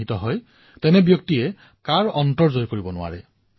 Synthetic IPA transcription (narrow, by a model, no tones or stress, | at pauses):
itɔɦɔj | tɛnɛbjɔk̚tiɛ | kaɹɔntɔɹzojkoɹibɔnʊwa̰ɹɛ